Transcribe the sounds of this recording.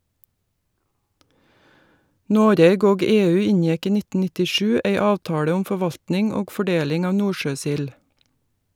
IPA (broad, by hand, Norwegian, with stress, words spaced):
ˈnoːɾeːɡ ˈoːɡ ˈeːˌʉː ˈɪnjɛk ˈiː ˈnɪtə nɪtɪˈʃʉː ˈæɪ ˈɑːʋtɑːɽə ˈʊm fɔˈʋɑltnɪŋ ˈoːɡ fɔˈɖeːlɪŋ ˈɑːʋ ˈnuːʃøːˌsɪl